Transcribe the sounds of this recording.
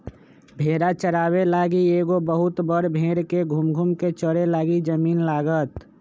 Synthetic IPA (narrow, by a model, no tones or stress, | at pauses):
bʱeːɾat͡ʃəɾaːwelaːɡieːɡobəɦʊt̪bəɾbʱeːɾkeɡʱumɡʱumket͡ʃəɾelaːɡid͡ʒəmiːnlaːɡət̪